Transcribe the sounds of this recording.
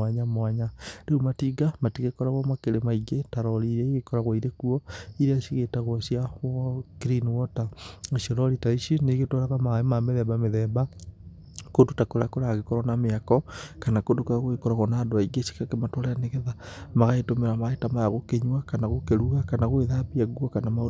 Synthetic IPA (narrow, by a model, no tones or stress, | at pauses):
aɲamwaɲaɾeumatiɡamatiɣekɔɾaɣwɔmakeɾemaiɡetaɾɔɾiɾɛiɣekɔɾaɣwaiɾekuɔiɾeasiɣetaɣwɔsiaɣwɔkiɾiniwɔtaesiɔɾɔɾitaiʃineɣetɔɾaɣamaemameðɛbameðɛba | kodutakoɾakoɾaaɣekɔɾwanameakɔkanakodokaaɣwekɔɾaɣɔnaːdoaiɡeʃi̥kakematɔɾeaneɣeðamaɣaetomeɾamaetamajaɣokeɲwakanaɣokeɾuɣakanaɣweðabiaɡwɔkanamao